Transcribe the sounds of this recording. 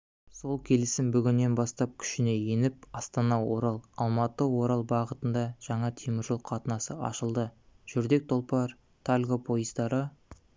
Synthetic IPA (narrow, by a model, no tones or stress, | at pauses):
so̞lˠkʲʰe̞lɪsɪmbʏɡʲɪnːe̞nbɑst̪ɑp̚kʲʰʏ̥ʃɪne̞jenɪp̚ɑst̪ɑnɑwo̞̰ɾɑlˠɑlˠmɑt̪əwo̞ɾɑlˠbɑʁət̪ənd̪ɑʒ̥ɑɴɑt̪ʰimɪɾʒolˠqʰɑt̪ənɑsəɑ̰ʃəlˠd̪ə | ʒ̥ʏɾd̪e̞k̚t̪ʰo̞lˠpɑɾ | t̪ʰalʲɡopʰo̞jəzd̪ɑɾə